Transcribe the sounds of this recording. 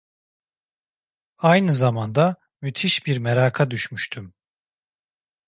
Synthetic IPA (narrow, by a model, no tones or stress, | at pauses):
ajnɯzamand̪a | myt̪ʰiʃbiɾmɛɾaːkʰad̪yʃmyʃt̪ʰym